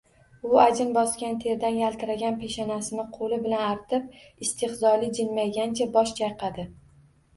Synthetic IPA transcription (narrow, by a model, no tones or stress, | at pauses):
ʊad͡ʒɪnbɒskʲant̪ʰe̞ɾd̪anjalt̪ɪɾaɡʲanpʰeʃanasɪnɪqʰolɪbɪlanaɾt̪ʰɪp̚ | ɪst̪ʰɪhzɒlɪd͡ʒɪnmajɡʲant͡ʃʰabɒʃd͡ʒajqʰɑd̪ɪ